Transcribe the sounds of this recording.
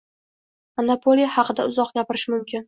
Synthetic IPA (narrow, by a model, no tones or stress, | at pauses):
anapʰolˠijahɑqʰɨd̪aʊzɒqɡʲapɪɾɪʃmʊmkʲɪn